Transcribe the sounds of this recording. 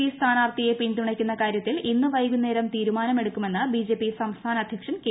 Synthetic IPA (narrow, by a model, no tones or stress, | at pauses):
ist̪ʰaːnaːʋt̪ije̞pint̪uɳɐkʲːunːɐkaːɾjɐt̪ːilinːɨʋɐjɡunːeːɾɐmt̪iːɾumaːnɐme̞ɽukːume̞nːɨbiːd͡ʑe̞ːpːisɐmst̪ʰaːnɐd̪ʱjɐkʂɐnk